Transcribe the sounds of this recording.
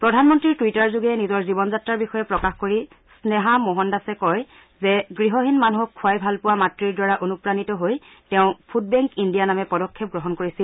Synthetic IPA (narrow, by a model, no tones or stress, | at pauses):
pɹɔdʱanmɔntɹiɹtuwitaɹzuɡɛnizɔɹzibɔnzatɹaɹbixɔjɛpɹɔkaxkoɹi | snɛɦamoɦɔndasɛkɔj | zɛɡɹiɦɔɦinmanuɦɔkʰːuajbʱalpʊwamatɹiɹdwaɹaʔonupɹanitɔɦoj | tɛʊ̃pʰud̚bɛŋkindijanamɛpɔdɔkʰːɛp̚ɡɹɔɦɔnkoɹisil